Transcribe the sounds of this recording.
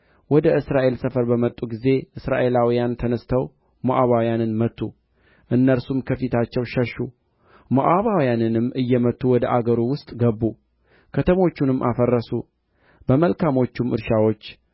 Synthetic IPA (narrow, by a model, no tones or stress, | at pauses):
wɔd̪əʔɨsɾaʔe̞lsəfəɾbəmət̪ʼːuɡize̞ʔɨsɾa̰ʔe̞lawijant̪ʰənəst̪ʰəw | moʔaβawijanɨnmət̪ʰːu | ʔɨnːəɾsumkʰəfit̪ʰat͡ʃːɛwʃəʃːu | moʔaβawijanɨnɨmːʔɨjːɛmət̪ːuwɔd̪əʔaɡəɾuwʊst̪ʼɡəbːu | kʰət̪ʰəmot͡ʃːunɨmːʔa̰fərːəsu | b̥əməlkʰamo̞t͡ʃːumʔɨ̰ɾʃawo̞t͡ʃː